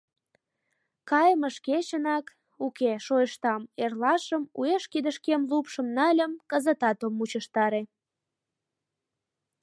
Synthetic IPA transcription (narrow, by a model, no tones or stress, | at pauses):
kɑjəməʃket͡ɕənɑk | ukeʃojəʃt̪ɑmerlɑʃəmueʃkid̪ə̆ʃkemlupʃəmnɑlʲəmkəzət̪ɑt̪omːut͡ɕəʃt̪ɑɾe